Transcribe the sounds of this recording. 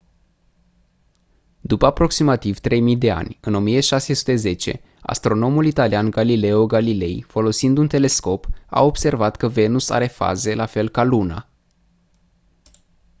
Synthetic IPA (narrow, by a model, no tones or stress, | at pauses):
d̪upəapɾo̞ksimat̪iv̥t̪ɾe̞jmijd̪e̞a̰nʲɨno̞mijeʃase̞su̥t̪e̞ze̞t͡ʃe̞̰ | a̰st̪ɾo̞no̞mulit̪alianɡalile̞oɡalile̞̰jfo̞lo̞sind̪unt̪e̞le̞sko̞pa̰o̞bse̞rvat̪kəve̞nusa̰ɾe̞fa̰ze̞lafe̞lkaluna̰